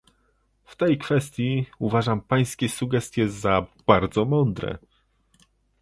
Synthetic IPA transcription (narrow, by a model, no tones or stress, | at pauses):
ft̪ɛjkfɛst̪ʲjiuvaʐampaj̃skʲɛsuɡɛst̪ʲjɛzab̥aɾd̪zɔmɔnd̪ɾɛ̰